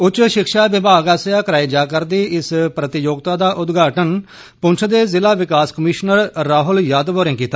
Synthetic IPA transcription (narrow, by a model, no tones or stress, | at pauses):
ʊt͡ʃːʃɪkʃaːʋɪbaːɡaːsjaːkəɾaːiːd͡ʒaːkəɾd̪iːɪspɾət̪ɪjoːɡt̪aːd̪aːʔʊd̪ɡʱaːʈən | pʊ̃nt͡ʃʰd̪eːzɪlaːʋɪkaːskəmiːʃnəɾːaːɦʊljaːd̪ʋoːɾẽŋkiːt̪ːa